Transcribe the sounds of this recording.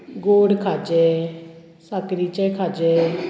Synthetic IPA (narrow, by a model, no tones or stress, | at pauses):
ɡoːɽkʰaːd͡ʒɛː | sakɾiːt͡ʃɛːkʰaːd͡ʒɛː